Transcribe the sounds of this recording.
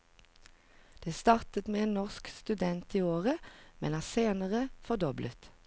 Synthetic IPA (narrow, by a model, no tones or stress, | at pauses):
d̪̥eːst̪ɑːʁt̪ət̪meːeːnnɔʁskst̪ʉd̪ɛnt̪iːoːʁəmɛ̰nhæːʁseːnəʁəfɔʁd̪ɔblə̰t̪